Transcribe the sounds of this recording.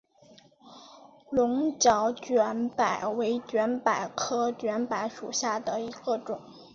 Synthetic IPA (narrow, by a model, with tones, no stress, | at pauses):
lʊ˧˥ŋt͡ɕjɑ˧˥ʊt͡ɕɥɛ˧˥npa˨˩ɪwe˧˥ɪt͡ɕɥɛ˧˥npa˨˩ɪkʰɤ˥t͡ɕɥɛ˧˥npa˧˥ɪʂṵ˨˩ɕja˥˩d̪ə˩i˧˥ɡə˧ʈ͡ʂʊ˨˩˦